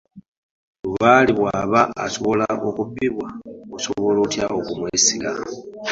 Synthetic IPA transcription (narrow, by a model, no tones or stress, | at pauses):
βuβaliβwaːβa̰ːso̞βo̞laʔokubːiβwaoso̞βo̞lotjaokumwesiɡa